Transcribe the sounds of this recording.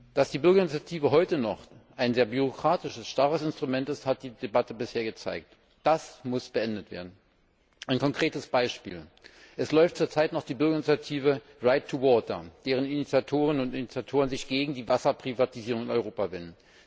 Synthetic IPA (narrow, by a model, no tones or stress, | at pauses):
d̥asd̥iːbʏɐɡɐɪnit͡sjatʰiːvəɦɔʏtənɔχʔaɪnzeːɐbyʁ̞okʁ̥aːtɪʃəsʃtaʁəsɪnstʁ̥umɛntɪsthat̚d̥iːd̥ebatəbɪsheːɐɡət͡sa̰ɪk̚t | d̥asmʊsb̥əʔɛndətv̥ḛːɐdn̩ | ʔaɪnkʰɔŋkʁ̥eːtəsb̥aɪʃpḭːl | ʔɛslɔʏftt͡suːɐt͡saɪtnɔχd̥iːbʏɐɡɐɪnit͡sjatʰiːvə | ʁaɪtʰːuwɔɐtɐ̰d̥eːʁ̞ənɪnit͡sjatʰoːʁənənʊntɪnit͡sjatʰoːʁ̞ənzɪçɡ̥eːɡŋ̩diːvasɐpʁ̥ivatiziːʁ̞ʊŋɪnɔʏʁoːpavɛnən̩